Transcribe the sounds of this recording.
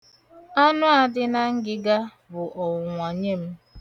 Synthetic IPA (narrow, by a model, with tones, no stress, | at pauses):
a˦nʊ˦a˨dɪ˦na˦ŋ̩˦ɡɪ˦ɡa˦ | bʊ˨ʔɔ˨ŋʷa˨ɲe˦m̩˦